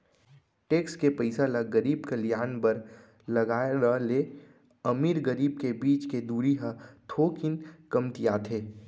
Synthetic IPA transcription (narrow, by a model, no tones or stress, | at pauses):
ʈeːkskepəɪsalaɡəɾiːbkɐlɪjaːnbəɾ | lɐɡaːɾəle | ɐmiːɾɡəɾiːb̚kebiːt͡ʃked̪uːɾiɦat̪ʰoːkɪnkɐmt̪ijaːt̪ʰeː